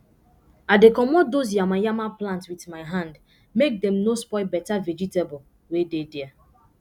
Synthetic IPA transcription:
adekɔmɔt̚dos̬jamajamaplãntwitmaɪɦãnd | mek̚dɛ̃mnospɔɪbɛtaved͡ʒitebɔ | wededɛa

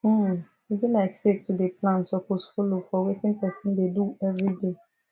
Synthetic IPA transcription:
ibilaksek̚tʰudeplãnsɔkosfulofɔwetɪ̃npʰɛsɪ̃ndeduɛvɹide

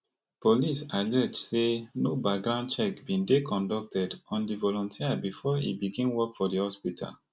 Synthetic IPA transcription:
polisaɡɛdsenobak̚ɡɹãʊ̃n̚t͡ʃɛkbĩndekʰɔ̃ndɔk̚tʰɛdɔ̃ndivɔlɔ̃ntʰiabifɔḭbiɡĩnwɔkfɔdihɔspitʰa̰l

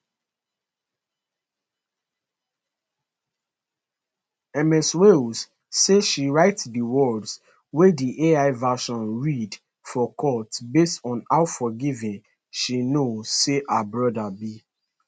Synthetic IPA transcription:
ɛmɛswels | seʃiɹaɪtdəwɔdz | wediʔeaɪvaʃɔ̃nɹid | fɔkʰɔtbestɔ̃naʊfɔɡivĩn | ʃinozseʔabɹɔdabi

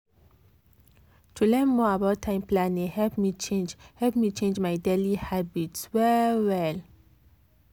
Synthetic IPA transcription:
tʰulɛ̃nmɔabaʊtʰːãɪ̃mplãnĩŋhɛlpmit͡ʃẽnd͡ʒhɛlpmit͡ʃẽnd͡ʒmaɪdelihabitswɛwɛl

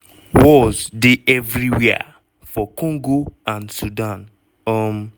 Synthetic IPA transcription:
wɔzdeʔɛvɾiwɛa̰ | fɔkɔ̃ŋɡoãnsudãn | ɔm

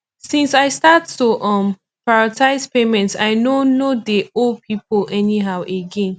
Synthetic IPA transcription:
sĩnsaɪstatːuʔɔ̃m | paɹɔtʰaɪzpemɛ̃ntsa̰ɪnonodeopʰipolɛniɦaʊʔeɡẽn

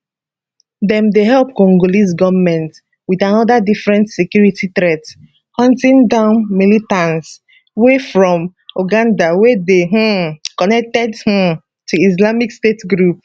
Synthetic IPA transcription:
dɛ̃mdeɦɛlp̚kɔ̃ŋɡolisɡɔvmɛ̃nt | widãnɔdadifɹɛ̃ntsekjuɹititɹɛt | hɔ̃ntĩŋdãʊ̃nmilitãns | wefɹɔ̃moɡãndawedeɦ̩kɔnɛk̚tɛdh̩ | tʰuis̬lamikstetɡɹup̚

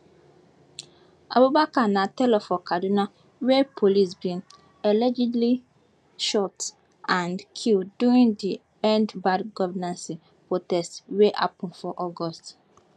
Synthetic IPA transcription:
a̰bobakanãtɛlɔfɔkaduna | wɛpʰolisbĩn | ɛlɛd͡ʒɛdli | ʃɔt | ãnkʰilduɹĩndi | ɛ̃ndbadɡɔvɛnãnsi | potɛstweʔapɔ̃nfɔʔɔɡɔst

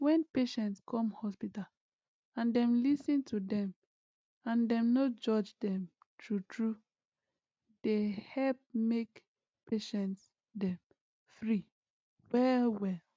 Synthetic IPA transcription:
wɛ̃npeʃɛ̃ntskʰɔ̃mhɔspital | ãndɛ̃mlisĩntʰudɛ̃m | ãndɛ̃mnod͡ʒɔd͡ʒdɛ̃m | tʰɹutʰɹu | d̥ehɛlp̚mek | pʰeʃɛ̃nts | dɛ̃m | fɹi | wɛlwɛl

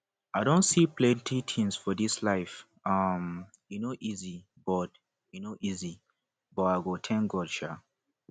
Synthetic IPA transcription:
aɪdõntsiplɛ̃ntʰitʰĩnsfɔdislaɪf | ʌm | junoʔizi | b̥ɔt̚ | junoʔizi | bɔaɡotʰɛ̃nɡɔdʃa

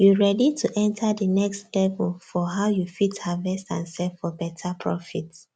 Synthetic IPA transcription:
juɹɛditʰuʔɛ̃ntʰadənɛkstlɛvəlfɔɦaʊjufithavɛstãnsɛvfɔbɛtʰapʰɹɔ̰fit

